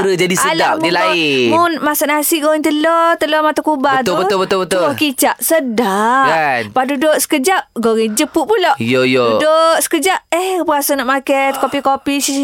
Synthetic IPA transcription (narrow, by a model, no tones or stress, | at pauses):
ɾəd͡ʒadisəlapdilaimunmasaʔnasiʔɡoɣɛŋt̪əlɔt̪əlɔmat̪uakubat̪ʊbəʊlbət̪ʊbət̪oɔkit͡ʃaʔsədaʔanpadudot̪sə̥kəd͡ʒap̚ɡoɣɛŋd͡ʒəpuʔpulɔʔjojodosə̥kəd͡ʒap̚əhpəɣasanɔʔmakɛt̪̚kopikopisi